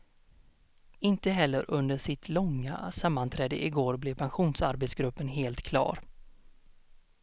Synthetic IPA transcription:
ɪnt̪əɦɛlːəɾʔɵnd̪əʂɪt̪ʰlɔŋːa̰samːant̪ʰɾɛːd̪əʔɪɡoːɾblɛvpʰanɧuːnsaɾbɛt̪sɡɾɵpːənɦeːlt̪kʰlɑ̰ːɾ

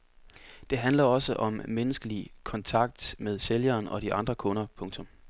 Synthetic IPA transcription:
d̥e̝ɦænlɐɒ̽səʔɒ̽mːenəsɡ̥əlikʰɒ̽nt͡sʰɑ̈ɡ̥̚d̥með̞ˠseljɐːnɒ̽ɾ̥iʔɑ̈nd̥ʁɐkʰɔ̽nɐpʰɔ̽ŋt͡sʰɔ̽m

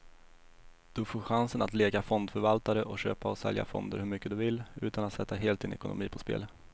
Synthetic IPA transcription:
d̪̥ɵfoːɾɧansənat̪leːɡafɔnd̪fœɾvalt̪aɾəʔɔɕø̰ːpaɔsɛ̰lja̰fɔ̰nd̪ə̰ɾhɵɾmʏkːəd̪ɵvɪlʉ̟ːt̪anat̪sɛt̪ːaɦeːlt̪̚d̪ɪnɛkʊnʊ̰miːpʰɔspḛːl

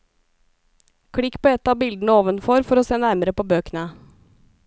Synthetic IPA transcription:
kʰɽɪkːpʰoːɛt̪ːɑːbɪld̪n̩əoːʋənfɔɾfɔɾoːseːnæɾməɾəpʰoːbøːkənə

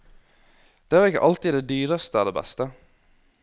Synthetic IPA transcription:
d̪̥eːæːɾɪkːə̰ʔɑlt̪id̪eːd̪yːɾəst̪əæld̪eːbɛ̰st̪ə

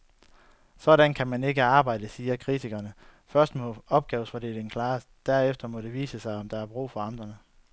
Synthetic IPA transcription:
sɒ̽ɾænkʰæmæne̝ɡ̥əɑ̈ːb̥ɑ̈ɪd̥əsiːɐkʰʁit͡sʰiɡ̥ɐnəfɶɐsd̥mɔ̽ɒ̽b̥̚ɡ̥ɛːʊsfɒd̥ḛːld̥enkʰlɑ̈ːs | d̥æɐefd̥ɐmɒ̽ɾ̥e̝ʋḭːsəsɑ̈ɪɒ̽md̥ɑ̈æɐb̥ʁṵːfɒ̽ɑ̈nd̥ʁɐnə

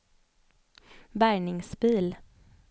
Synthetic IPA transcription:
bæːɳɪŋsbiːl

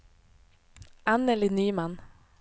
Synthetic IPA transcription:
ænəlɪnyːmɑn

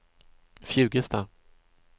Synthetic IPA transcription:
fjʉ̟ːɡəst̪ʰa

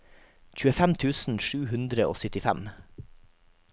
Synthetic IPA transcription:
c͡çʉːəfæmt̪ʰʉːsn̩ʃʉːhʉnd̪ɾəʔo̰ːsʏt̪ɪfæ̰m

